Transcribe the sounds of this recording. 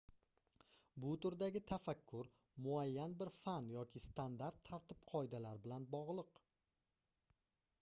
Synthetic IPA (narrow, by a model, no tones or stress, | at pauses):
bʊt̪ʊɾd̪aɡʲɪt̪ʰafakʲʰːʊɾ | mʊajːanbɪɾfanjɒkʲʰɪst̪and̪aɾt̪ʰːaɾt̪ʰɪpqʰɒɪd̪alaɾbɪlanbɒʁlˠɨq